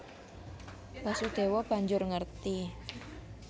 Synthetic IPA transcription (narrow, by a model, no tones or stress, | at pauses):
b̥asud̪̥e̤wɔb̥aɲd͡ʒʊrŋərt̪i